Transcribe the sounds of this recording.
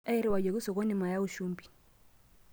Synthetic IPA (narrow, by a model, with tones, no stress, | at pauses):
a˦i˦ɾi˦wa˨ɟɔ˨ki˦sɔ˨kɔ˦ni˨ma˨ja˦u˦ʃu˦mbi̥˨